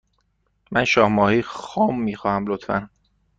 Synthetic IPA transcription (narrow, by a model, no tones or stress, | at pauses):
mʔænʃɒːhmɒːhiːxɒːmːiːxɒːhæmlot̪ʰfæ̰n